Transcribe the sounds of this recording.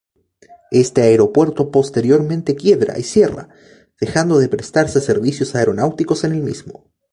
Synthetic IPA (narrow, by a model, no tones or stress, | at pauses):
e̞st̪eaeɾo̞pwe̞ɾt̪o̞po̞st̪e̞ɾjo̞ɾmẽnt̪e̞kje̞βɾa̰ʔisje̞ra̰ | ð̥exand̪o̞ðe̞pɾe̞st̪aɾsease̞ɾβisjo̞saeɾo̞nawt̪iko̞se̞ne̞lmizmo